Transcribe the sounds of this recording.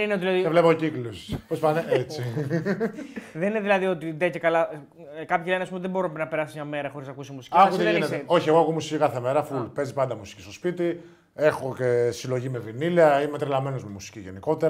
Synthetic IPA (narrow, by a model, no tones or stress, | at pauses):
nineot̪ilɐðievlepoociklospospaneet͡si | ðenineðilɐðio̞t̪id̪ecekɐlɐ | kɐpçileneɐspumoiðebo̞ɾunɐpnɐpe̞ɾɐsizmɲɐme̞ɾɐxo̞ɾiznɐkusimusi̥ciɐut̪einet̪eo̞çieɣoɐkomusicikɐθemeɾɐfulpezipɐnd̪ɐmusi̥cist̪o̞spit̪i | e̞xo̞cesilo̞ʝimevɾiniliɐimet̪ɾilɐme̞no̞zmemusi̥ciʝeniko̞t̪eɾɐ